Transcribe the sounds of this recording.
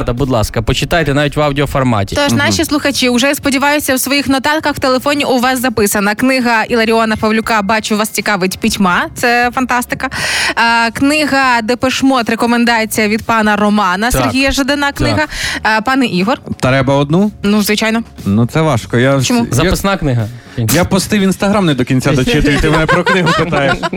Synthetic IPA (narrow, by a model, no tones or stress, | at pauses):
d̪ɐbud̪lˠɑskɐpɔt͡ʃɪt̪ɑjt̪ɛnaʋʲitʲʋɑwdʲiɔfɔrmɑ̰tʲit̪ɔʃnɑʃʲislˠʊxɐt͡ʃʲiʊʒɛjspɔdʲiʋɑjʊsʲɐwsʋɔjixnɔt̪ɑlkɐxw̥t̪elˠefɔnʲiʔʊʋɑszɐpɪsɐnɐknɪɦɐʔilˠɐɾʲiɔnɐpɐwlʲʊkɑbɑt͡ʃʊʋɑst͡sʲikɑʋɪtʲpʲitʲmɑtt̪sɛfɐnt̪ɑst̪ɪkɐ | knɪɦɐd̪ɛpeʃmɔt̪ɾekɔmend̪ɑt͡sʲijɐʋʲid̪̚pɑnɐrɔmɑnɐserɦʲijɐʒɐd̪ɐnɑknɪɦɐpɑnɛʔiɦɔrt̪ɾɛbɐɔd̪nunuzʋɪt͡ʃɑjnɔnut̪sɛʋɑʃkɔjat͡ʃɔmuɐpɪsnaknɪɦɐ | japɔst̪ɪʋʲinst̪ɐɦɾamnɛd̪ɔkʲinʲt͡sʲad̪ɔt͡ʃɪt̪ʊjʊt̪ɪmnɛpɾɔknɪɦʊt͡ʃɪt̪ajɛ